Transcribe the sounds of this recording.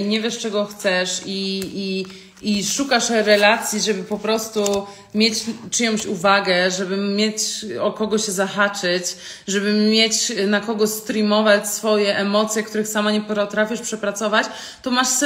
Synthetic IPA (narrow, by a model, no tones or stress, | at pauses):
iɲɛvʲjɛʂt͡ʂɛɡɔxt̪sɛʂiiː | ʂukaʂɾɛlat̪sʲjiʐɛbɘpɔpɾɔst̪u | mʲjet͡ɕt͡ʂɘjɔw̃t͡ɕuvaɡɛʐɛbɘmʲjet͡ɕɔkɔɡɔɕɛzaxat͡ʂɘt͡ɕ | ʐɛbɘmjet͡ɕnakɔɡɔɕst̪ɾimɔvat͡ɕsfɔjɛʔɛmɔt̪sʲjɛkt̪uɾɘxsamaɲɛpɾɔt̪ɾafʲjiʂpʂɛpɾat̪sɔvat͡ɕ | t̪ɔmaʂs